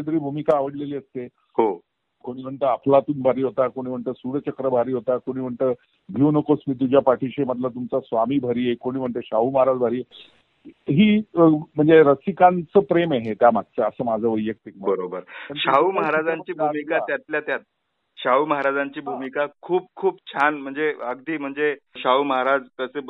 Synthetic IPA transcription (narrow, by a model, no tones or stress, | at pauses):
ed̪ɾiːbʱumikaːʋəɽleliːəst̪e | ɦo | koɽ̃iːm̤əɳt̪əapʰlat̪uːnbʱaɾiːɦot̪akoɽ̃iːm̤əɳt̪əːsuɽət͡ɕəkɾəbʱaɾiːɦot̪akoɽ̃iːm̤əɳt̪ə | bʱinəkosmiːt̪̬ud͡ʑʱjapaʈʰiɕeməd̪ʱlat̪̬umt͡sasʋamiːbʱəɾiːekoɽ̃iːm̤əɳt̪eɕaɦuːməɦaɾad͡zbʱaɾiːe | ɦiːm̤əɳd͡zeɾəsikãnt͡səːpɾemeɦet̪jamad̪̚t͡səəsəːmad͡zʱəːʋəjːək̚t̪ikbəɾobəɾməɳɕauməɦaɾad͡zãɲt͡ɕiːbumikat̪jat̪ljat̪jat̪̚ | ɕauməɦaɾad͡zaɲt͡ɕiːbʱumikakʰuːp̚kʰuːpt͡ɕʰanm̤əɳd͡zeəɡd̪iːm̤əɳd͡zeɕauməɦaɾad͡zkəse